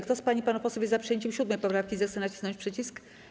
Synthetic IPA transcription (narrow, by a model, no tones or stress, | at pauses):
kt̪ɔspaɲipanupɔsɔvʲizapʂɨjeɲt͡ɕɛmɕud̪mɛjpɔpɾafkʲizɛxt̪sɛnat͡ɕi̥znɔ̃ɲt͡ɕʲpʂɛt͡ɕisk